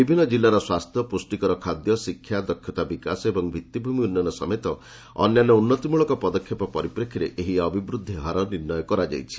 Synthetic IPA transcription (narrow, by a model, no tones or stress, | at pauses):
bibʱinːɔd͡ʒilːaɾɔswast̪ʰjɔpusʈikɔɾɔkʰad̪jɔsikʰːjad̪ɔkʰjɔt̪abikasɔebɔŋbʱit̪ːibʱumiunːjanɔsɔ̰met̪ɔ | ɔ̰njanɔunːɔt̪imuɭɔkɔpɔd̪ɔkʰːjɔpɔpɔɾipɾekʰiɾeʔeɦiɔbʱibɾud̪ʱːiɦaɾɔniɾnɔjɔkɔɾad͡ʒa̰jt͡ʃʰi̥